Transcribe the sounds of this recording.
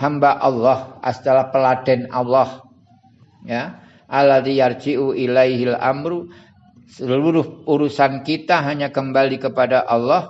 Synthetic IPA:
hambaʔɑlːɔhʔa̰st̪alahpəlad̥ɛnʔɑlːɔh | ja | ʔalːaðijard͡ʒiʔuʔilajɦilʔa̰mɾu | səluɾʊhuɾusankit̪aɦaɲakəmbalikəpadaʔɑlːɔh

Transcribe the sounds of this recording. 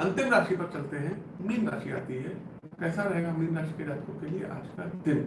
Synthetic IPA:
ɐ̃nt̪ɪmɾaːʃipɐɾt͡ʃɐlt̪eɦɛ̃ | miːnɾa̰ːʃia̰ːt̪iɦɛ | kɛːsaɾɐɦeːɡamiːnɾaːʃi̥keɾaːt̪kõkeliḛʔa̰ːd͡ʒkad̪ɪm

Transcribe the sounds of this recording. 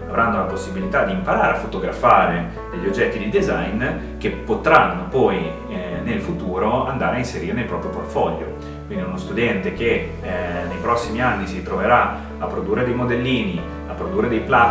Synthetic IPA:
avɾʔanːolaposːibilit̪ad̪iːmpaɾaːɾeafot̪oɡɾa̰faːɾe | d̪eʎːiod͡ʒːɛt̪ːid̪ejd̪ezajn | k̟epːot̪ɾanːopɔj | nelfut̪uːɾoand̪aːɾeainseɾiːɾenelpɾɔːpɾjoport̪fɔʎːo̰ | kkwind̪iunost̪ud̪ɛnt̪ek̟e | nejpɾɔsːimianːisit̪ɾoveɾa | apːɾod̪uːrːed̪ejmod̪elːiːni | apːɾod̪uːrːed̪ejpla

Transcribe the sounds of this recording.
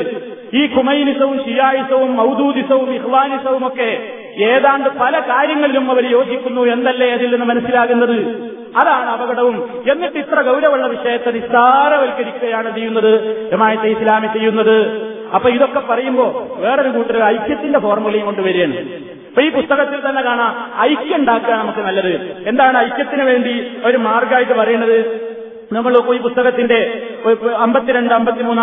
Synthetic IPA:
iːkʰumɐjnisɐʋumɕijaːjisɐʋumːɐwd̪uːd̪isɐʋumixʋaːnisɐʋumo̞kːe̞ | eːðaːɳɖɨpɐlɐkaːɾjɐŋːɐɭilumɐʋɐɾjo̞ːd͡ʑikʲːunːue̞nd̪ɐlːeɐðilːenːɨmɐnɐsːilaːkunːɐðɨ | ɐðaːɳɨɐbɐɣɐɽɐʋum | e̞nːiʈːit̪rɐɡɐwɾɐʋɐɭːɐʋiʂɐjɐt̪ːenist̪aːɾɐʋɐlkːɐɾikʲːuɣɐjaːɳɨt͡ɕejːunːɐðɨɾɐmaːjɐt̪ːeislaːmit͡ɕejːunːɐðɨ | ɐpːoːiðo̞kːe̞pːɐrɐjumbo̞ːʋe̞ːroɾukuːʈːɐɾɐjkʲjɐt̪ːinde̞fo̞ːrmɐɣɐɭɐjumkoɳɖɨʋɐɾujeɳɨm | pːoːiːpust̪ɐɣɐt̪ːilt̪ɐnːe̞kaːɳaɐjkʲːɐuɳɖaːkːaːnɐmukːɨnɐlːɐðɨe̞nd̪aːɳɨɐjkʲjɐt̪ːinɨʋe̞ːɳɖio̞ɾumaːrɡaːjiʈːɨpɐrɐjunːɐðɨ | nɐŋːɐɭokːiːpust̪ɐɣɐt̪ːinde̞ | ɐmbɐt̪ːiɾeɳɖɨɐmbɐt̪ːimuːnː

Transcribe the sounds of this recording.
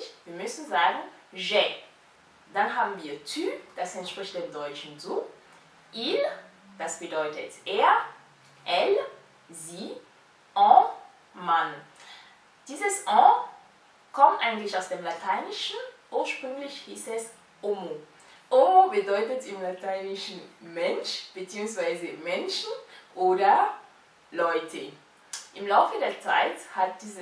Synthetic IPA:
çviːɐmʏsn̩zaːɡŋ̩ʒɛ | d̥anɦaːbm̩viːɐtʰyːd̥asɛntʃpʁ̥ɪçt̚d̥eːmdɔʏt͡ʃn̩zuː | ʔil | d̥asb̥ədɔʏtətʔeːɐ | ʔɛl | zi | ʔɔ̃ː | man | d̥iːzəsʔɔ̃ː | kʰɔmtʔaɪɡŋ̩tlɪçaʊsd̥eːmlatʰaɪnɪʃn̩ʔuːɐʃpʁ̥ʏŋlɪçhiːsɛs | ʔoːmo | ʔomobədɔʏtətɪmlatʰaɪnɪʃn̩mɛnʃb̥ət͡siːʊŋsv̥aɪzəmɛnʃn̩ʔoːdɐ | lɔʏtʰə | ʔɪmlaʊfədeːɐt͡sa̰ɪthat̚d̥iːzə

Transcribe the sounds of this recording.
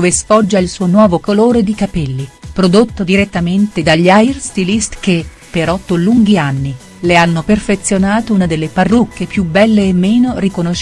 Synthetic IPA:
ovesfɔd͡ʒːailsuːonwɔːvokoloːɾed̪ikapɛlːipɾod̪ot̪ːod̪iɾet̪ːament̪ed̪aʎːajrst̪ilist̪k̟e | pːeɾɔt̪ːoluŋɡianːi | leanːoperfet̪sjonaːt̪ounad̪elːeparːukʰːepjubɛlːeːmːeːnorikonoʃ

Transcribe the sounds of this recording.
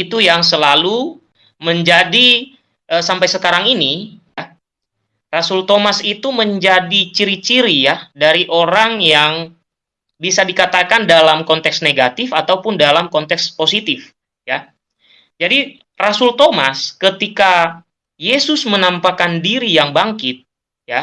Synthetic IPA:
it̪ujaŋsəlalu | məɲd͡ʒadi | ʔəsampajsəkaɾaŋinija | rasult̪omasit̪uməɲd͡ʒadit͡ʃiɾit͡ʃiɾijadaɾiʔoɾaŋjaŋ | bisadikat̪akandalamkɔnt̪ɛksneɡat̪ɪfat̪awpʊndalamkɔnt̪ɛksposit̪ɪf | ja | d͡ʒadi | rasult̪omaskət̪ika | jesʊsmənampakandiɾijaŋbaŋkɪt̪̚ | ja

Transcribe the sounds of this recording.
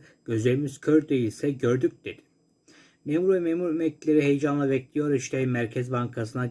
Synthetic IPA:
ɟ̥øzelʲmiscʰøɾd̪e̞jilʲsɛɟøɾd̪yc̚d̪̥ed̪ɪ̥ | meːmuɾvɛmemuɾemɛclʲeɾiɦejd͡ʒanlˠabɛclʲijo̞ɾiʃt̪ʰɛmæɾcʰɛzbaŋkʰasɯna

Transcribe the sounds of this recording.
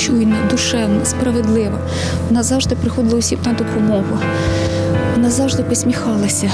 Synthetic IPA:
t͡ʃujnɛd̪ʊʃɛwnɐspɾɐʋed̪lˠɪʋɐ | ʋɔnɑzɑwʒd̪ɪpɾɪxɔd̪ɪlˠɐʊsʲimnɐd̪ɔpɔmɔɦʊ | ʋɔnɑzɑwʒd̪ɪpɔsʲmʲixɑlˠɐsʲɐ

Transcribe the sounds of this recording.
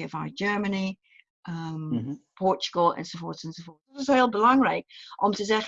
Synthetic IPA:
əvaɪd͡ʒɜːməni | ʔʌmpʰɔˑt͡ʃəɡ̥əlˠə̰̃nsoʊfɔɹθə̃nsoʊfɔˑ | zəsɛɪlˠbəlãŋɹeɪkʔə̃mtʰəzɛχ

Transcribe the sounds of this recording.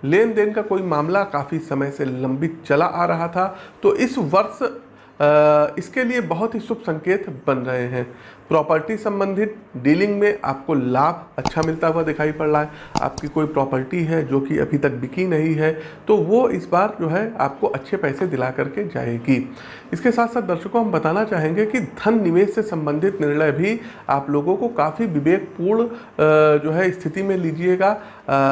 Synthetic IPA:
leːnd̪eːnkakoːimaːmlakaːfisɐməjselɐ̃mbit͡ʃɐlaʔaːɾɐɦat̪ʰat̪oːʔɪsʋɐɾs | ɪskeliebɐɦʊt̪ɦisʊbʱsɐ̃ŋkeːt̪bɐnɾɐɦeɦɛ̃ː | pɾɔːpəɾʈisɐ̃mbə̃nd̪ʱɪt̪̚ɖiːlɪ̃ŋɡmẽʔa̰ːp̚kolaːbʱɐtːʃʰamɪlt̪aɦuad̪ɪkʰaːipɐɽlaɦɛa̰ːpkikoːipɾɔːpəɾʈiɦɛd͡ʒoːkiʔɐ̰bʱit̪ɐk̚bɪkinɐɦĩɦɛt̪oʋoɪsbaːɾd͡ʒoːɦɛa̰ːp̚koʔɐtːʃʰepɛːsed̪ɪlakɐɾked͡ʒa̰ːḛːɡiː | ɪskesaːt̪saːt̪̚d̪ɐɾʃəkːoɦɐmbɐt̪aːnat͡ʃaːɦẽːŋɡekid̪ʱɐnːɪʋeːʃsesɐ̃mbə̃nd̪ʱɪt̪nɪɾɭəjbʱi | a̰ːploːɡõkokaːfiʋɪʋeːk̚ʰpuːɾɳ | d͡ʒoːɦɛɪst̪ʰɪt̪imẽliːd͡ʒieɡaː

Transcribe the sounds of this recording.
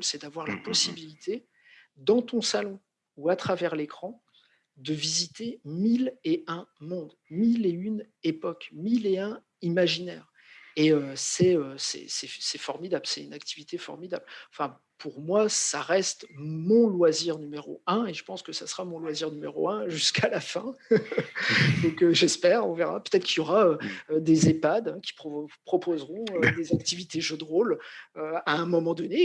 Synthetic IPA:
lsɛd̪avwaʁlapɔsibilit̪ʰe | d̪ɑ̃t̪ɔ̃salɔ̃ | uat̪χavɛʁlekχɑ̃ | d̪əvizit̪emileɛ̃mɔ̃d̪ | mileyn | epɔkmileɛ̃ | imaʒinɛːʁ | eøsɛøsɛ̰sɛsɛfɔʁmid̪ablsɛt̪ynak̚t̪ivit̪efɔ̰ʁmid̪ablɑ̃fɛ̃ | pʰuʁmwasaʁɛst̪mɔ̃lwaziʁnymeʁo̰ɛ̃eʒəpɑ̃skəsasəʁamɔ̃lwaziʁnymeʁoɛ̃ʒyskʰalafɛ̃ | d̪ɔ̃køʒɛspɛːʁɔ̃veʁa̰pø̥t̪ɛt̪χəkiljɔʁaød̪ezepad̪ɛ̃kʲi̥pχpχɔpozʁɔ̃ød̪ezak̚t̪ivit̪eʒød̪ʁoløaɛ̃mɔmɑ̃d̪ɔne

